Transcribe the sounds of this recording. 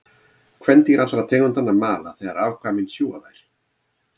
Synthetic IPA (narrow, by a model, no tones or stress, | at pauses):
kʰvɛnt̪ɪɛɾat̪ɾaðt̪ʰɛːkʏmt̪anːamaːlaθɛɣaɾaːvkʰvaːmɪnsjuːɣa̰ðajɾ̥